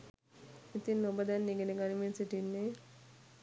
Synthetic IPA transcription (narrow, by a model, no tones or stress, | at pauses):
it̪inːobəd̪ɛnːiɡeneɡaniminsiʈinːeː